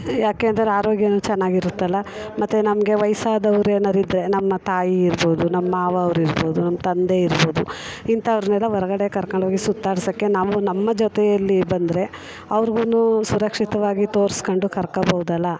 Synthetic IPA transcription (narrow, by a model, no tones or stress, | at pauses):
jaːkeːnd̪ɐɾeaːɾoːɡjɐnut͡ʃɛnːaːɡiɾut̪ːɐlːɐmɐt̪ːenɐmɐɡe̞ʋɐjsaːd̪ɐʋɐɾeːnɐɾid̪ɾe̞nɐmːɐt̪aːjiːɾbo̞ːd̪unɐmːɐaːʋɐːʋɾiɾboːd̪unɐmːɐt̪ɐnd̪e̞iɾbo̞ːd̪uint̪ɐːʋɾɐnɛlːɐʋɔɾɐɡɐɽe̞kɐɾkɐɳɖʋaːɡisut̪ːaːɽsɐkːe̞naːʋunɐmːɐd͡ʒɔt̪ɛjɐlːibɐnd̪ɾe̞ | ɐʋɐɾɡunusuɾɐkʂit̪ɐʋaːɡit̪o̞ːɾskoɳɖukɐɾkɐbɐɦud̪ɐlːɐ